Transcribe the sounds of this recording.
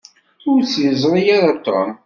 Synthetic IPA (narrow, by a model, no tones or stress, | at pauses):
ʊɾt͡sːjəzˤɾˤijaɾat̪ːɾˤə̰m